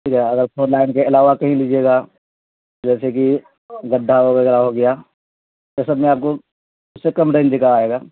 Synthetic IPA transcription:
ʈʰiːkɦɛɐɡəɾpʰoːnlaːɪnkeɪlaːʋakɐɦĩlid͡ʒeːɡaː | d͡ʒɛːseki | ɡɐɖʱːaɦokeɡɾaɦoɡɐja | t̪osɐəbmẽaːp̚ko | ʊsːekɐmʈẽːnd̪ɪkʰaːeːɡaː

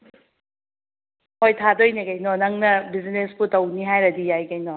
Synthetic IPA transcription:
hojtʰadojnekɐjnɔnɐŋnɐbiznesputɐwniɦajɾɐdijajkɐjnɔ

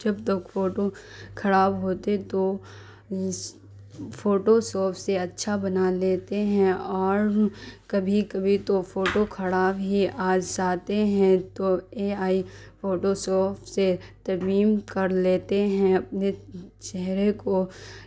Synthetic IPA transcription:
d͡ʒɐbt̪ɐkfoːʈokʰɐɽaːbɦoːt̪et̪o | foːʈosɔːpʰseɐtːʃʰabɐnaleːt̪eɦɛ̃ɔːɾkɐbʱikɐbʱit̪ofoːʈokʰɐɽaːbɦiʔaːd͡ʒd͡ʒaːt̪eɦɛ̃t̪oeːaːi | foːʈosɔːpset̪ɐmiːmkɐɾleːt̪eɦɛ̃ɐp̚net͡ʃɛɦɾeko

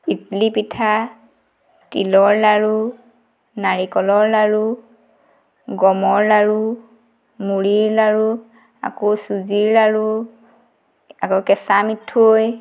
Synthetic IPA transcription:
itlipitʰa | tilɔɹlaɹu | naɹikɔlɔɹlaɹu | ɡɔmɔɹlaɹu | muɹiɹlaɹu | a̰kosuziɹlaɹu | akokɛsamitʰːoj

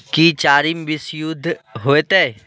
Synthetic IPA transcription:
kit͡ʃaːɾimʋɪsjʊd̪ʱɦoːet̪ɛː

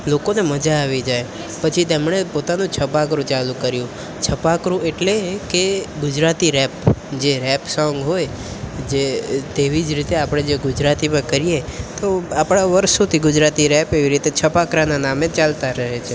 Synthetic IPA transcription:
lokoneməd͡ʒaːʋid͡ʒaj | pət͡ʃʰit̪emɳ̃epot̪anũt͡ʃʰəpakɾũt͡ʃalũkəɾjũ | t͡ʃʰəpakɾũeʈlekeɡʊd͡ʒɾat̪iɾɛpd͡ʒeɾɛpsɔ̃ŋɡɦoj | d͡ʒet̪eʋid͡ʒɾit̪eapɽ̃ed͡ʒeɡʊd͡ʒɾat̪imə̃kəɾijet̪oapɽ̃aʋəɾʃot̪ʰiɡʊd͡ʒɾat̪iɾɛpeʋiɾit̪et͡ʃʰəpakɾananamet͡ʃalt̪aɾəɦet͡ʃʰe

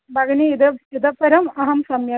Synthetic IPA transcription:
bʱɐɡɐniid̪ɐid̪ɐpːɐɾɐmɐɦɐmsɐmjɐ

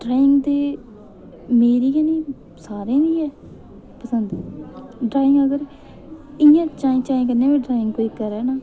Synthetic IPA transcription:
ɖɾaːɪ̃ŋɡd̪eː | meːɾiːɦɛːnĩː | saːɾẽːd̪iːɛː | pəsənd̪ | ɖɾaːɪŋɡəɡəɾ | ɪjãːt͡ʃaːĩːt͡ʃaːĩːk̬əɾneãːʋeːɖɾaːɪ̃ŋɡkoːiːkəɾɛːnaː

